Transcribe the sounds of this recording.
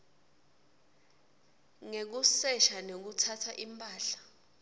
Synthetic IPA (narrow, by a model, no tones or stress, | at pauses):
ŋek̬usɛʃanok̬utʰatʰaʔimpʼaːɬḁ